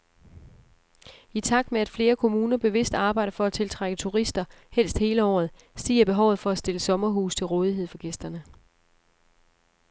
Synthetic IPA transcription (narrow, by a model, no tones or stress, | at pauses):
it͡sʰɑ̈ɡ̥̚d̥meæd̥fle̝ːɐkʰo̝muːnɐb̥e̝ʋe̝sd̥ɑ̈ːb̥ɑ̈ɪɾɐfɒ̽æt͡sʰe̝lt͡sʰʁaɡ̥ət͡sʰuʁisd̥ɐhel̰sd̥he̝ːləɒ̰ːð̩ˠ | siːɐb̥e̝ɦɒʊð̩ˠfɒ̽æsd̥e̝ləsɒ̽mɐɦṵːst͡sʰe̝lʁɔ̽ːð̞ˠiɦe̝ð̰ˠfɒ̽ɡ̥esd̥ɐnə